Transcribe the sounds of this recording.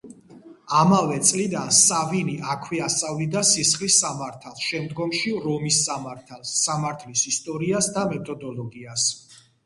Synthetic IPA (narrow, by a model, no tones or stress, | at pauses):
amavɛt̪sʼlid̪ansaviniʔakʰwiast̪sʼavid̪asisχlisːamaɾt̪ʰalˠʃɛmd̪ɡɔmʃiɾɔmisamaɾt̪ʰalˠːamaɾt̪ʰlisist̪ʼɔɾiasd̪amɛt̪ʰɔd̪ɔlɔɡias